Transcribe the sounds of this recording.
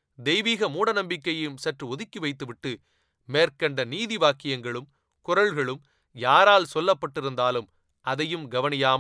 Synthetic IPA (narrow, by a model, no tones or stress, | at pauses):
d̪ɛjʋiːɣɐmuːɽɐnɐmbɪkːɐjɪmsɐʈrɯɔðɪkːiʋɐɪt̪ːɯʋɪʈːɯ | meːɾkɐɳɖɐniːðiʋaːkɪjɐŋɡɐɭɯm | kʊɾɐɭɣɐɭɯm | jaːɾaːlsɔlːɐpːɐʈːɪɾɯnd̪aːlɯm | ʔɐðɐjɯmɡɐʋɐnɪjaːm